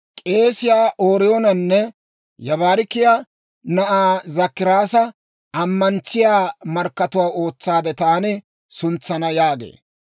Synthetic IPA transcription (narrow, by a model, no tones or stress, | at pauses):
kʼe̞ːsɪjaːʔoːɾɪjoːnɐnːɛ | jɐβaːɾɪkːɪjaː | nɐʔaːzɐkːɪɾaːsɐ | ɐmːɐnt͡sːɪjaːmɐɾkːɐt̪ʊwaːo̞ːt͡sːaːd̪ɛt̪aːnɪ | sʊnt͡sːɐnɐjaːɡḛː